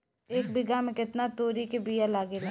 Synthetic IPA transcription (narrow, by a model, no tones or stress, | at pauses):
eːk̚bɪɡamẽkɪt̪nat̪oːɾikebijalaːɡelẽː